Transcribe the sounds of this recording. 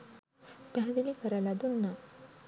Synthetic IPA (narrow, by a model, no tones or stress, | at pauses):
pjãd̪ilikəɾalad̪unːa